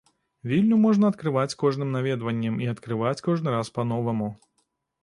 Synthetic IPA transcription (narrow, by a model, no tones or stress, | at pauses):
vʲilʲnumɔʐnɐɐt̪kɾɨvat͡sʲkɔʐnɨmnavʲɛd̪vɐnʲːɐmiɐt̪kɾɨvat͡sʲkɔʐnɨɾaspɐnɔvɐmu